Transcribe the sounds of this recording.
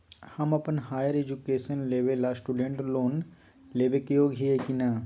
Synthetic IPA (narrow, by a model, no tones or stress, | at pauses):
hɐmɐpənɦaːjəɾeːd͡ʒukeːʃənleːʋelasʈuːɖẽɳʈloːn | leːʋekijoɡʱiekinaː